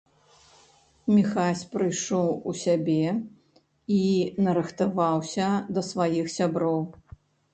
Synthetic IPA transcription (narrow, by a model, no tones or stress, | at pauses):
mʲixasʲpɾɨjʂɔwusʲabʲɛ | inɐɾɨxt̪avawsʲɐd̪ɐsvajixsʲabɾɔw